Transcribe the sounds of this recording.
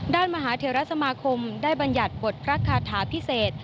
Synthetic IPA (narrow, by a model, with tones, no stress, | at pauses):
daː˥˩nmaː˧ɦaː˩˦t̪ʰeː˧˦ɾa˦˥sa˧maː˧kʰo˧mdaː˥˩jba˧nja˨˩t̪̚po˨˩t̪̚pʰɾa˦˥kʰaː˧˩t̪ʰaː˩˦pʰi˦˥seː˨˩t̪̚